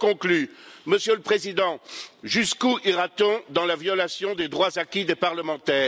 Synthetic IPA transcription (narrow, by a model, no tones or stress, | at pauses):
kɔ̃klyməsjələpχezid̪ɑ̃ʒyskuʔiʁat̪ɔ̃d̪ɑ̃lavjɔlasjɔ̃d̪ed̪ʁwazakʲid̪epaʁləmɑ̃t̪ɛː